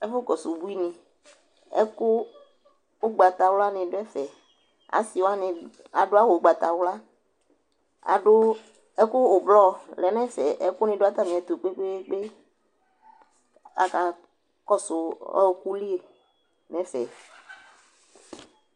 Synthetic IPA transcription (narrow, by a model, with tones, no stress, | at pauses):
ɛ˦fʊ˦kɔ˨sʊ˨bu˦i˦nɪ̃˨ | ɛ̰˦kʊ˦ | ʊ˦ɡ͡ba˨t̪a˨wla˦nɪ̃˨ɖʊ˦ɛ˦fɛ˨ | a̰˨˦si˨wa˦nɪ̃˨ | a˨ɖʊ˦a˦wo˨˦ɡ͡ba˨t̪a˨wʊ˦la˦ | a̰˨ɖʊ˦ | ɛ˦kʊ˦ʊ˨blɔ˦˨lɛ˨nɛ̃˦fɛ˨ʔɛ˦kʊ˦nɪ̃˧ɖʊ˦a˦t̪a˦mĩ˨ɛ˨t̪o˨k͡pe˦k͡pe˦k͡pe˦ | a̰˨ka˨ | kɔ˦sʊ˨ɔ̰˦ku˦li˦e˨ | nɛ̃˦fɛ̰˨